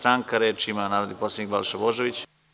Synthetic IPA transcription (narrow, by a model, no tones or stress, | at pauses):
t̪ɾaːŋkaɾeːt͡ʃimanaːɾod̪iposʲaikbalʃaboʒeʋit͡ɕ